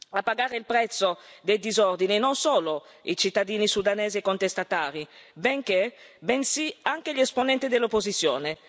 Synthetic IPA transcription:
apːaɡaːɾeilpɾɛt̪sːod̪ejd̪izɔrd̪ininonsoːlo | it͡ʃit̪ːad̪iːnisud̪anɛːziekːont̪est̪at̪aːɾibeŋkebensiaŋk̟eʎɛsponɛnt̪id̪elːopːozit̪sːjo̰ːne

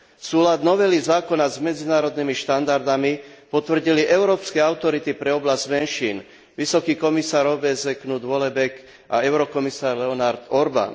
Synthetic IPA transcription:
suːlad̪nɔʋɛlizaːkɔnazmɛd͡zinaːɾɔd̪nimiʃt̪and̪aɾd̪amipɔt̪ʋr̩ɟiliʔɛʊɾɔːpskɛaʊt̪ɔɾit̪ipɾɛɔblazɟmɛnʃiːn | ʋisɔkiːkɔmisaːɾɔbɛzɛknud̪ʋɔlɛbɛk | aɛʊɾɔkɔmisaːɾlɛɔnaɾd̪ɔɾba̰n

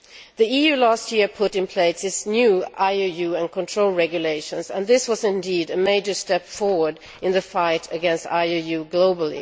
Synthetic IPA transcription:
ðiijʉlæst̚jɪɹpʰʊɾɨ̃npʰl̥eɪsɨtsnjʉʔaɪojʉɨ̃nkʰə̃ntʰɹ̥oʊlˠɹɛɡjɨleɪʃɨ̃nzə̰̃nðɪswʌzɨ̃ndiɾɨmeɪd͡ʒə˞stɛpfɔɹwə˞d | ɨ̃nðɨfaɪɾɨɡɛ̃nsta̰ɪojʉɡloʊbl̩ˠḭ

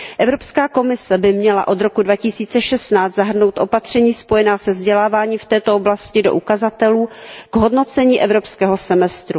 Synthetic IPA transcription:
ʔɛvɾo̞pskaːko̞mɪsɛbɪmɲɛla̰ʔo̞d̪ɾo̞kudvacɪsiːt͡sɛʃɛst̪naːt͡s̪zaɦr̩no̞wt̪ʔo̞pat̪r̝̥ɛɲiːspo̞jɛnaːsɛvzɟɛlaːvaːɲiːft̪ɛːt̪o̞oblascɪdo̞ʔukazat̪ɛluːɡ̥ɦo̞dno̞t͡sɛɲiːʔɛvɾo̞pskɛːɦo̞sɛmɛst̪ɾu

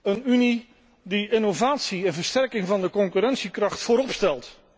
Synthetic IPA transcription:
ənyni | diɪnovaːtsiɛnvəɹstɛɹkɪŋvɑndəkɔŋkyɾɛntsikrɑχtfoːɾɔpstɛlˠt

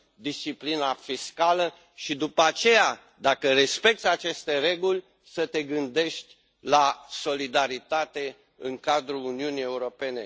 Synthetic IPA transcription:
d̪ist͡ʃiplinafiskalə | ʃid̪upəat͡ʃe̞ja | d̪akəɾe̞spe̞k̚t̪sʲat͡ʃe̞st̪e̞ɾe̞ɡulʲ | sət̪e̞ɡɨnd̪e̞ʃt̪ʲ | laso̞lid̪aɾit̪at̪e̞ | ɨ̰ŋkad̪ɾuluniunie̞uɾo̞pe̞ne̞̰

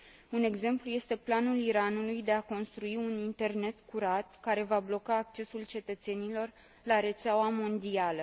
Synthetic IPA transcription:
une̞ɡze̞mpluje̞st̪e̞planuliɾanulujd̪e̞ako̞nst̪ɾuiunint̪e̞rne̞t̪kuɾat̪kaɾe̞vablo̞kaːk̚t͡ʃe̞sult͡ʃe̞t̪ət̪se̞nilo̞r | laɾe̞t̪seawamo̞nd̪ialə

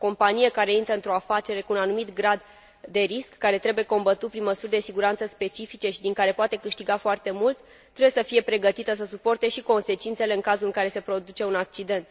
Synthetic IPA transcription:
ko̞mpanijekaɾe̞int̪ɾəɨnt̪ɾo̞afat͡ʃe̞ɾe̞kuːnanumit̪ɡɾad̪ː | e̞ɾiskːaɾe̞t̪ɾe̞buje̞ko̞mbət̪ut̪̚pɾinməsurʲd̪e̞siɡuɾant̪səspe̞t͡ʃifit͡ʃe̞ʃid̪iŋkaɾe̞poat̪e̞kɨʃt̪iɡafoart̪e̞mult̪ː | ɾebuje̞səfije̞pɾe̞ɡət̪it̪əs̬əsupo̞rt̪e̞ʃiko̞nse̞t͡ʃint̪se̞le̞ɨŋkazulɨŋkaɾe̞se̞pɾo̞d̪ut͡ʃe̞unak̚t͡ʃid̪e̞nt̪

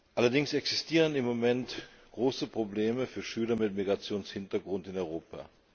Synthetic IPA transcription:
ʔalɐdɪŋsɛksɪ̥stʰiːʁ̞ənɪmːomɛnt | ɡ̥ʁoːsəpʁ̥obleːməfyːɐʃyːlɐmɪtmiɡʁat͡sjoːnshɪntɐɡʁʊntɪnɔʏʁoːpʰa̰

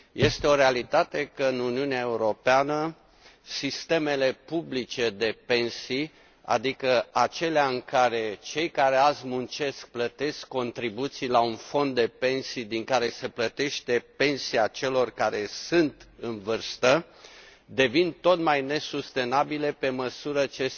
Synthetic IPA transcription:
je̞st̪e̞o̞ɾealit̪at̪e̞kəɨnuniuneae̞uɾo̞peanə | sist̪e̞me̞le̞publit͡ʃe̞d̪e̞pe̞nsi | a̰d̪ikəat͡ʃe̞leaɨŋkaɾe̞t͡ʃe̞jkaɾe̞azmunt͡ʃe̞sk̚plət̪e̞skːo̞nt̪ɾibut̪sijlaunfo̞nd̪ːe̞pe̞nsid̪iŋkaɾe̞se̞plət̪e̞ʃt̪e̞pe̞nsiat͡ʃe̞lo̞rkaɾe̞sɨnt̪ɨnvɨrst̪ə | d̪e̞vint̪o̞t̪majne̞sust̪e̞nabile̞pe̞məsuɾət͡ʃe̞

